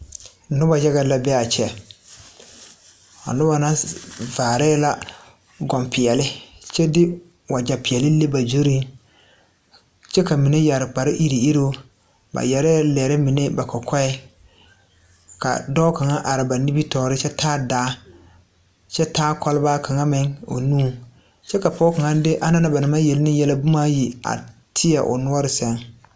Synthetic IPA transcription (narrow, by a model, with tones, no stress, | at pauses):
nʊ˦ba˨d͡ʒa˦ɡa˦la˦bɛ˦a˨t͡ʃɛ˨ | ɔ̰˨nʊ˦ba˨na˦vaː˨ɾɛː˦la˦ | ɡɔ˨mpɪ˨jɛ˨lɪ˦t͡ʃɛ˦dɪ˦ | wa˨d͡ʒa˨pɪ˨ɛ˨lɪ˦le˦ba˨d͡ʒo˦ɾi˦n | t͡ʃɛ˦ka˨mi˨ne˦ja˨ɾɪ˨k͡pa˨ɾɪ˦ʔi˦ɾi˨i˦ɾo˦ | ba̰˨jɛ˨ɾɛ˦lɛː˨ɾɪ˦mɪ˨ne˦ba˨kɔ˨kʰɔ˦ɛ˦ | ka̰˨dɔ˦ka˨ŋa˦ʔa˨ɾɪ˨ba˨ni˦bi˦tɔː˨ɾɪ˦t͡ʃɛ˦tʰaː˦daː˨˦ | t͡ʃɛ˦taː˦kɔ˦lɪ˦baː˦ka˨ŋa˦mɪ˦ŋo̰˨nũː˦˨ | t͡ʃɛ˦ka˨pɔ˦ka˨ŋa˦dɪ˦ʔa˦na˦na˦ba˨nɪ˨ma˦je˨lnɪ˦jɛ˦la˦bʊ˦ma˦ji˨a̰˨tʰɪ˦ja̰˨ʔʊ̰˨nʊ˦ɔ˦ɾɪ˨sɛ˨ŋ